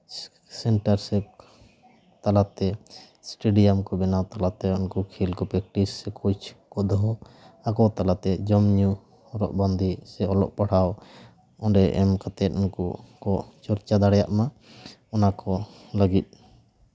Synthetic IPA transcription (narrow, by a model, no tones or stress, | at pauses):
sɛɳʈaɾsɛ | t̪alat̪ɛ | sʈeɖijamkɔbɛnawt̪alat̪ɛɔnkɔkʰilkɔpɛk̚ʈissɛkʰɔt͡ʃʰkɔd̪ɔɦɔakɔt̪alat̪ɛd͡ʒɔmɲu | hɔɾɔ̰ʔband̪ʱisɛɔlɔ̰ʔpaɽ̤aw | ɔɖɛʔɛmkat̪ɛt̪̚ɔnkɔ̰kɔt͡ʃɔɾt͡ʃad̪aɽɛja̰ʔma | ɔnakɔ | ləɡit̪̚ˀ